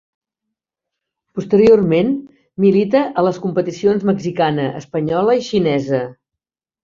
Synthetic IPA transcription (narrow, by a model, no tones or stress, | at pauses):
pust̪əɾiormen | milit̪əʔələskumpət̪isionzməɡzikanəʔə̰spəɲɔləiʃinɛzə